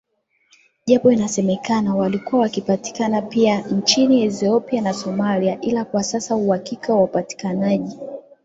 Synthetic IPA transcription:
ʄapɔinasɛmɛkanawalikuawakipati̥kanapiant͡ʃiniɛθiɔpianasɔmaliaʔilakwasasauhakikawaupati̥kanaʄi

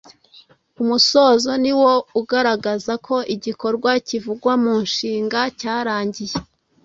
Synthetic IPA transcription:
umuso̞ːzo̞niwo̞uɡaɾaɡazakʰo̞ʔiɟiko̞ɾɡwacivuɡwamuːnʃiːŋɡacaːɾaːɲɟije

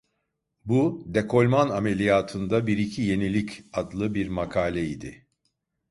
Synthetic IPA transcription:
bud̪e̞kʰo̞lʲmaname̞lʲijaːt̪ʰɯnd̪abiɾicʰije̞nilʲicad̪lˠɯbiɾmakʰaːlʲɛid̪ɪ

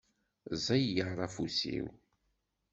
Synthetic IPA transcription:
zæjjəʕɾˤɑfusḭw

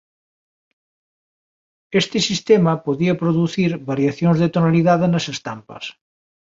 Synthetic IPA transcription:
est̪ɪsist̪emapoðiapɾoðuθiɾβaɾjaθjoŋzðet̪onaliðaðenasest̪ampɐ̰s

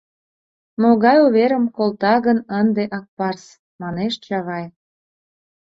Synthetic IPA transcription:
moɣɑjuβeɾəmkolt̪ɑɣənənd̪eʔɑk̚pɑrs | mɑneʃt͡ɕɑɣɑj

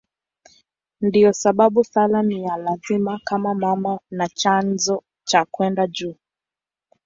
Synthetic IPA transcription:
ndiɔsaɓaɓusalanijalazimakamamamanat͡ʃanzɔ | t͡ʃakwɛndad͡ʒuː

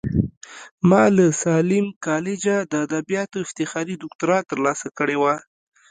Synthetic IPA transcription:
mɑləsɑlɪmkɑlɪd͡ʒad̪əad̪abijɑt̪oɪft̪ɪxɑɾid̪ʊk̚t̪ʊɾɑt̪əɾlɑsakəɽewa

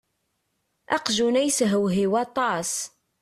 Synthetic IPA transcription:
ʔɑ̰qʒunæjsɦəwɦiwɑt̪ˤɑs

